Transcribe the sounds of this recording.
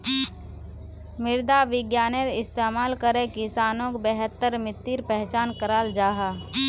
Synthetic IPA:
mɪɾd̪aʋɪɡjaːnəɾɪst̪eːmaːlkəɾẽkɪsaːnõkbɛɦət̪ːəɾmɪt̪ːiɾpɛɦt͡ʃaːnkəɾaːld͡ʒaːɦaː

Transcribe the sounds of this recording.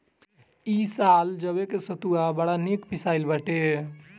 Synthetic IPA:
isald͡ʒəbekesət̪uabəɽanikpisaɪlbəʈe

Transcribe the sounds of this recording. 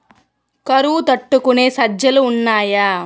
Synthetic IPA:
kɐɾut̪ɐʈːukuneːsɐd͡ʒjɐluːnːaːja

